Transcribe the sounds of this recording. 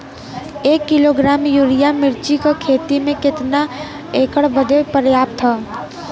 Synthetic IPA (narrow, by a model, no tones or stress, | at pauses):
eːkːɪloːɡɾaːmjuːɾijamɪɾt͡ʃikakʰeːt̪imẽkɪt̪na | eːkəɽbəd̪epəɾjaːp̚t̪ʰaː